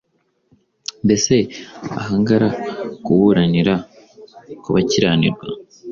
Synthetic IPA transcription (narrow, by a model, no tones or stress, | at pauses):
mbe̞se̞a̰ɦaːŋɡaɾakuβuɾaniɾa | kuβaciɾaːnḭɾɡwa̰